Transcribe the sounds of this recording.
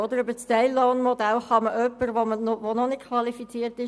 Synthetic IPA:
od̪əɾybət͡stɛɪlːɔːnmod̪ælχɑməʔœpːəɾʋomənoʋononɪtkʰvɑlifit͡siːəɾtɪ

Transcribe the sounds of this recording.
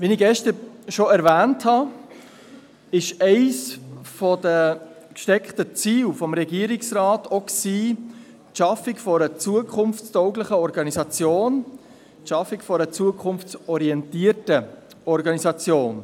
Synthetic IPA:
vinɪɡɛʃtəɾʃoɛɾvæːnthɑ | ɪʃɛɪsfɔdə | kʃtɛkχtət͡siːwfɔmɾɛɡiəɾɪksɾɑːtoksiː | tʃɑfɪkfɔɾət͡suəkʰχʊnft͡stɔʊɡləχəɔɾɡɑnisɑt͡sjoːn | tʃɑfikfɔɾət͡suəkʰχʊnft͡sɔɾiɛntiːəɾtə | ɔɾɡɑnisɑt͡sjoːn

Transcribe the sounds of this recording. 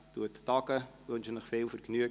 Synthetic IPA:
tuətːɑkəʋønʃənəχfeːlfərknyə

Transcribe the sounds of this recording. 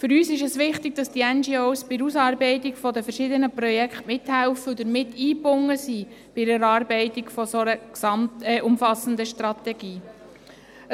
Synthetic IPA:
fʏɾyːsɪʃəsʋɪχtɪɡ̚d̥ɑstiɛnd͡ʒiowsb̥ɪusɑːɾbɛɪtɪkfɔd̪əfəɾʃɪd̪ənəprɔjɛkχtmɪt̪hælfəʊd̪əɾmɪtːiːpʊŋːəsi | b̥ɪəɾɑːɾbɛɪt̪ɪɡfɔsɔəksɑmtɛʔʊmfɑsən̩d̪əʃtɾɑt̪ɛɡ̥iː

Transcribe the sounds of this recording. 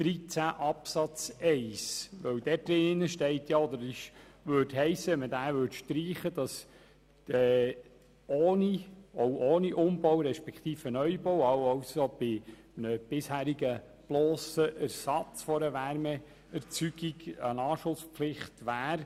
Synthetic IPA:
d̪̥ɾit͡sæʔɑpsɑt͡sɛɪsʋœwd̥̪ɛtːɪnːəʃtɛɪtjɑɔd̪əɾɪʃʋøtɦɛɪsːəɛmədæːvʏtʃtɾiːχəd̥ɑs | ɛː | oːnioʊʔoːniʔʊmb̥ɔwɾɛʃpɛkχt̪iːfənœʏbowɑwɑwsob̥ɪ | nəb̥ɪshæːɾiɡə | b̥lɔːsəʔæɾsɑt͡sfɔɾəʋæɾmɛ | ɛɾt͡syɡiɡənɑːʃʊsplɪχtʋæːɾ

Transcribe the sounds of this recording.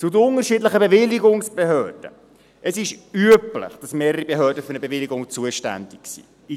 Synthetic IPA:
t͡sʊdəʊŋəɾʃiːdləχəbevɪlːiɡʊŋsb̥ehœːrd̥ə̰ | ʔəsɪʃyəplə̰χd̥ɑsmeːɾəɾibeɦœːdəfʏɾnəbevɪliɡʊŋt͡suəʃtæ̰ndɪksḭː

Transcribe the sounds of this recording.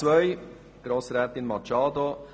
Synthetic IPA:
vœʏ | ɡ̥ɾoːsɾɛːt̪ɪnmɑt͡ʃɑːdo

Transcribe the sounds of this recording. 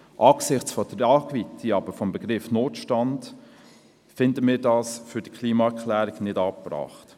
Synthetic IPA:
ʔɑːksɪχt͡sfɔd̥əɾɑːɡvitʰiɑbəɾfɔmbəɡɾɪfnoːtʃtɑnd | fɪndəmiːɾdɑːsfʏɾd̥ikʰliːmɑɛɾkʰlæːɾɪɡnɪdɑːpprɑ̰ːχt

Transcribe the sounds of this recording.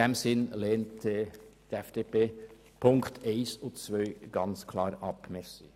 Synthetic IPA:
ɛmsɪnlɛːntɛtɛfd̥eːpeː | pʰʊŋktʰeɪsʊt͡svœʏɡ̥ɑnt͡skʰlɑːɾɑpmɛɾsi

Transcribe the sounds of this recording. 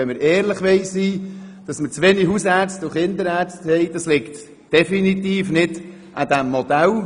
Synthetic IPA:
ɛnməɾɛːɾləχʋɛɪsːiːd̥ɑsmət͡sʋeːniɦusæɾstuχɪnd̪əɾæːɾt͡sthɛɪd̥ɑslɪkt | d̥ɛfinitiːfnɪd̥ | ʔad̪æmːodæl

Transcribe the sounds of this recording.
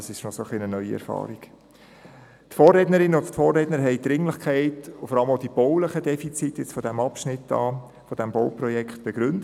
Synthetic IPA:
ɑsɪʃnɔsoχlinənœʏiɛ̰ɾfɑ̰ːɾiɡ̥ | tfɔːrːɛdnəɾɪnəʊnttfɔːrːɛdnəɾɦɛɪd̪ɾɪŋləχkʰæɪtʊfɔɾɑləmoʊd̥ib̥ɔʊləχədɛfit͡sitjɪt͡sfɔdæmɑpʃnɪtːɑ̰ː | fɔd̥æmboʊprɔjɛkχt̚b̥ɛɡ̥ɾʏndə

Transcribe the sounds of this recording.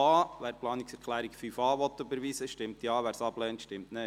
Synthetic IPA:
ɑːʋæːɾplɑːnɪksɛɾkʰlæːɾikfyfɑːʋɔt̪ːybəɾʋiːsəʃtɪmtjɑːʋæːɾsɑb̥lɛːntʃtɪmtne

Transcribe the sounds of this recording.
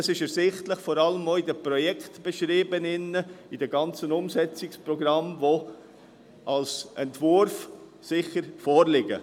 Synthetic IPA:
əsɪʃɛɾsɪχtləχfɔɾɑləmoɪdəpɾɔjɛkχtb̥ɛʃɾiːbənɪnːəɪdɛɡɑnt͡sənʊmsɛt͡sɪkspɾɔɡɾɑmvo | ʔɑlsɛntvʊɾf | sɪχəɾfɔːɾlɪɡə̰

